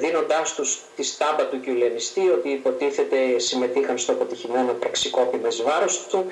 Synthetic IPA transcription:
ðino̞nd̪ɐst̪ust̪ist̪ɐbɐt̪uceuleɐnist̪io̞t̪iːpo̞t̪iθe̞t̪e̞sime̞t̪ixɐnst̪oɐpo̞t̪içime̞no̞pɾɐksiko̞pimezvɐɾo̞st̪u

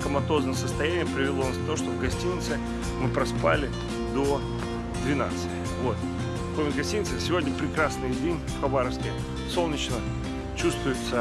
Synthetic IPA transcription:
kəmɐt̪o̞znɨmsəst̪ɐjænʲɪjəpɾʲɪvʲɪlˠonask̚t̪ɐoʂt̪ovɡɐsʲtʲinʲɪt̪sɨ | mɨpɾɐspa̰lʲɪ | d̪o | d̪vʲɪna̰t̪sɨtʲɪvo̞t̪ | pomʲɪt̪ɡɐsʲtʲinʲɪt̪sɨsʲɪvo̞dʲnʲəpɾʲɪkɾasnɨjdʲenʲfxɐbaɾəfskʲɪ | so̞lˠnʲɪt͡ɕnə | t͡ɕust̪vʊjʊt̪sə

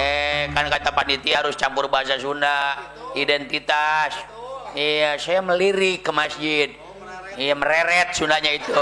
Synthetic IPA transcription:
ɛkankat̪apandit̪iaaɾʊst͡ʃampʊrbaɦas̬asuna | idɛnt̪it̪as | ijasajaməliɾɪkːəmasd͡ʒid̪̚ | iaməɾeɾɛt̪̚sundahɲait̪u

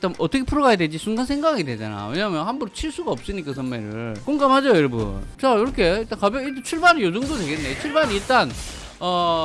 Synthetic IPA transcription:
t͈amʔʌt͈ʌkʰe̞pʰuɾoɡajadwed͡ʑisʰunɡansʰe̞ŋɡaaɡidwe̞d͡ʑa̰na̰jo̰we̞ɲaːmjʌnhanbʌnt͡ɕʰiɭs͈uɡaʌp̚s͈ɯɲik͈asʰʌnmeɾɯɭɭkoŋɡamɦad͡ʑojʌɾʌbṵnt͡ɕaiɾʌkʰeiɭt͈ankabjʌitet͡ɕʰuɭbanɯjodoŋdodwe̞ɡe̞nːet͡ɕʰuɭbaniiɭt͈an | ʌ

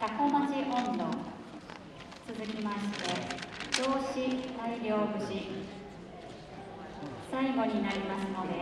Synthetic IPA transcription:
t̪akomat͡ɕiʔõnd̪õ̰ŋ | t͡sɨzɨkʲimaɕi̥t̪e̞d͡ʑo̞ːɕisaiɾʲo̞ːbɯ̟ɕi | saiɡo̞ɲ̟inaɾʲimasɨno̞d̪e̞

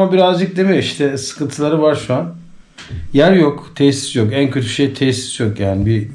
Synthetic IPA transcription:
mabiɾazd͡ʒɯk̚d̪e̞mijoiʃt̪ʰɛsɯ̥kʰɯnt̪ʰɯlˠaɾɯvaɾʃuan | jæɾjokt̪ʰɛsi̥sjo̞kæncʰøt̪ʰy̥ʃejt̪ʰɛsi̥sjo̞kjaːnibi

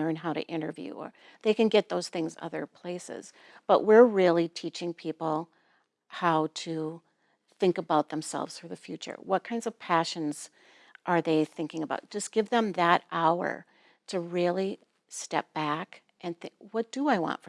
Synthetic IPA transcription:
ɜ̃˞nɦaʊɾɨ̰ʔɪ̃ɾ̃ə̰˞vjʉ̰ə̰˞ | ðeɪkɨ̃nɡɛt̪̚ðoʊz̥θɪ̃ŋzʌ̰ðə̰˞pʰl̥eɪsɪ̰z̥ | b̥ʌʔwɪɹɹɪlˠitʰit͡ʃɪ̃ŋpʰipl̩ˠ | haʊɾɨ | θɪ̃ŋkəbaʊt̪̚ðə̃m̩sɛ̰lˠvz̥fə˞ðɨfjʉt͡ʃə̰˞wʌt̚kʰãɪ̃ndzʌv̥pʰæʃɨ̃nz̥ | ʔə˞ðeɪθɪ̃ŋkɪ̃ŋəbaʊt̚d̥ʒ̥ʌsɡ̥ɪvðə̃mðəɾʔaʊə̰˞ | ɾɨɹɪlˠi | stɛp̚b̥æk | ʔɨ̃nθɪ̃wʌt̚d̥əaɪwɑ̰̃ntfə

